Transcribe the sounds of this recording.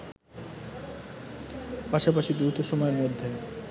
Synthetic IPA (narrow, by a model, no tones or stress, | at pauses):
paʃapaʃid̪ɾut̪oʃomɔeɾmod̪ʱːe